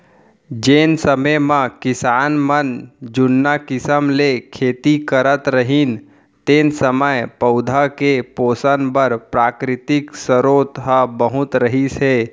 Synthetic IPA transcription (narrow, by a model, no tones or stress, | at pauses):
d͡ʒeːnsəməmãkɪsaːnmənd͡ʒʊnːakɪsəmlekʰeːt̪ikəɾət̪ɾəɦin | t̪eːnsəməjpəʊd̪ʱakepoːsənbəɾpɾaːkɾɪt̪ɪksəɾoːt̪ɦəbəɦʊt̪ɾəɦiseː